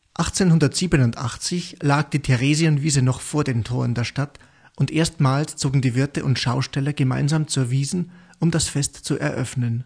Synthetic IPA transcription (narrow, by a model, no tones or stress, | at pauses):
ʔaχt͡seːnhʊndɐtz̥iːbənʊntʔa̰χt͡sɪçlaːk̚d̥iːtʰɛʁeːziənviːzənɔχfoːɐdeːntʰoːʁəndeːɐʃtat | ʔʊntʔeːɐstmaːlst͡soːɡŋ̩diːvɪɐtəʔʊntʃaʊʃtɛlɐɡəma̰ɪnzaːmt͡suːɐviːzn̩ | ʔʊmdasfɛstt͡suʔɛ̰ɐʔœfnən